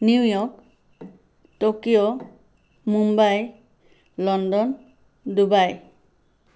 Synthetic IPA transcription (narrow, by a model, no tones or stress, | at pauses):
niwjɔk | tokijo | mumbaj | lɔndɔn | dubaj